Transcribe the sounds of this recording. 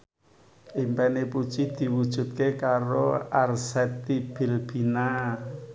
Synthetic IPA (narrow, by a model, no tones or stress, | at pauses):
ʔimpɛnepu̥t͡ʃid̪̥i̤wud̥ʒ̥ṳt̪̚kekaɾoarsɛt̪ib̥i̤lb̥i̤na